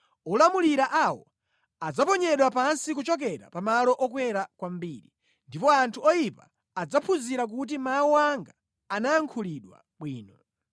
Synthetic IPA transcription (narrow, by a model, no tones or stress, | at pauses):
ɔlamuliɾaʔawɔ̰ | ad͡zapɔɲɛɗwapansik̬ut͡ʃɔk̬ɛɾa̰pamalɔʔɔkwɛɾakwam̩biːɾi | ndipɔantʰuɔjipa̰ː | d͡zapʰuziɾak̬ut̬imawuaŋɡaː | najaŋkʰuliɗwa̰ | ɓwiːnɔ